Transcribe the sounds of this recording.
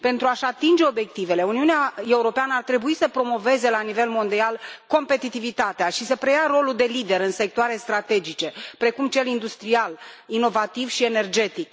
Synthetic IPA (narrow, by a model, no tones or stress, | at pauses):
pe̞nt̪ɾuaʃat̪ind͡ʒe̞o̞bje̞k̚t̪ive̞le̞uniuneae̞uɾo̞peanəart̪ɾe̞buisəpɾo̞mo̞ve̞ze̞lanive̞lmo̞nd̪ialko̞mpe̞t̪it̪ivit̪at̪eaʃisəpɾe̞jaɾo̞luld̪e̞lid̪e̞ɾɨnse̞k̚t̪oaɾe̞st̪ɾat̪e̞d͡ʒit͡ʃe̞pɾe̞kumt͡ʃe̞lind̪ust̪ɾial | ino̞vat̪ivʃie̞ne̞rd͡ʒe̞t̪ik